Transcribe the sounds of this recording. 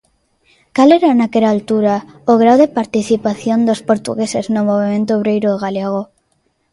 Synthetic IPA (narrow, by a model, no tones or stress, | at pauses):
kaleɾanakeɾaːlt̪uɾa | oɣ̞ɾawðepaɾt̪iθipaθjond̪ospoɾt̪ṵɣeseznomoβemẽnt̪̬oːβɾejɾoðeɣaleɣ̞o